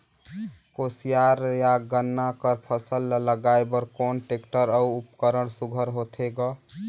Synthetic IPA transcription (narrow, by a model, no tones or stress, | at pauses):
kosijaɾjaɡənːakəɾpʰəsəlːləɡaebəɾkonʈekʈəɾəuupkəɾəɽsuɡʱəɾɦot̪ʰeɡɔ